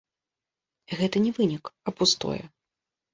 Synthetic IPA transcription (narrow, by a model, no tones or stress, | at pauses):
ɣɛt̪ɐnʲɛvɨnʲikɐpust̪ɔ̰jɛ̰